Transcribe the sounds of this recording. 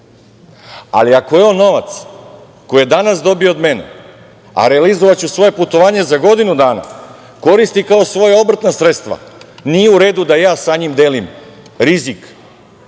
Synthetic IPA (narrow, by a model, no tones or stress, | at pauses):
a̰liakoeono̞ʋat̪s | ko̞jed̪anasd̪o̞bio̞od̪me̞nḛ | a̰ɾealizoʋat͡ɕusʋo̞je̞put̪o̞ʋaːɲe̞zaɡo̞d̪inud̪aːna̰ | ko̞ɾist̪ikao̞sʋo̞jao̞bɾ̩t̪nasɾet̪st̪ʋa̰nijeuɾe̞ːd̪ud̪ajaːsaɲimd̪eːlim | ɾizik